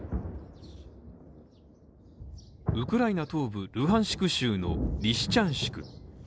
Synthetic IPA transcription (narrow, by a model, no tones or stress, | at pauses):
ɯ̟kɯ̟ɾainat̪o̞ːbɯ̟ɾɯ̟ɦãɰ̃ɕi̥kɯ̟ɕɨːno̞ɾʲiɕi̥t͡ɕãɰ̃ɕi̥kɯ̟